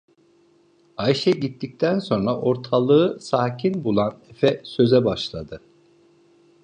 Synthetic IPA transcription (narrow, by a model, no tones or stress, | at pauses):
aiʃɛɟit̪ːic̚t̪ʰænso̞nɾaʔo̞ɾt̪ʰalˠɯɯsaːcʰinbulˠanefɛsø̞zɛbaʃlˠad̪ɯ